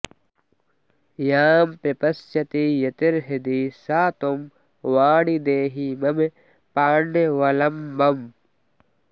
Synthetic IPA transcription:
jaːmpɾɐpɐst͡ʃɐt̪ijɐt̪iɾɦid̪isaːt̪om | ʋaːɽid̪eːɦimɐme | paːɳɖeʋɐlɐmːɐm

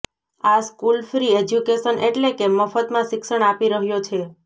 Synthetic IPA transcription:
askulfɾied͡ʒjukeʃənʔeʈlekeməfət̪mãʃɪksəɽ̃apiɾəɦjot͡ʃʰe

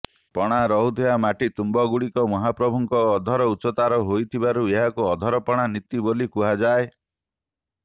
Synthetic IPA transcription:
pɔɽ̃aɾɔɦud̪ʱeamaʈit̪umbɔɡuɽikɔmɔɦapɾɔbʱuŋkɔːd̪ʱɔɾɔutsɔt̪aɾɔɦojt̪ʰibaɾueɦakuɔd̪ʱɔɾɔpɔɽ̃anit̪ibolikuɦad͡ʒae

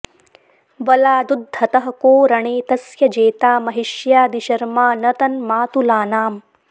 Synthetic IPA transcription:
bɐlaːd̪ud̪ʱːɐt̪ɐɦɐkoːɾɐɳeːt̪ɐsjɐd͡ʒeːt̪aːmɐɦiʃjaːd̪iʃɐɾmaːnɐt̪ɐnmaːt̪ulaːnaːm

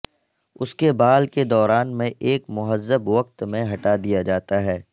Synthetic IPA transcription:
ʊskebaːlked̪ɔːɾaːnmẽʔeːkmʊɦəzːəbʋɐkt̪mẽɦɐʈad̪ijad͡ʒaːt̪aɦɛː

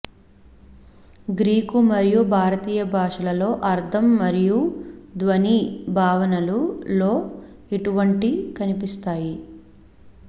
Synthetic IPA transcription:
ɡɾiːkumɐɾijubʱaːɾɐt̪iːjɐbʱaːʂɐlɐlo̞ːʔɐɾd̪ʱɐmːɐɾijud̪ʋɐnibʱaːʋɐnɐlulo̞ː | iʈuʋɐɳʈikɐnipist̪aːji

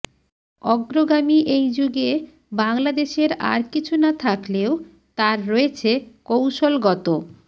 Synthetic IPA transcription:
ɔɡɾoɡamiʔejd͡ʑuɡe | baŋlad̪eʃeɾa̰ɾkit͡ɕʰunat̪ʰakleo | t̪aɾːɔet͡ɕʰekowʃolɡɔt̪o

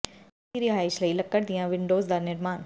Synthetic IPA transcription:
iɾɪɦaːɪʃlɐilɐkːəɾd̪ijãʋɪ̃ɳɖoːzd̪aːɾnɪɾmaːn

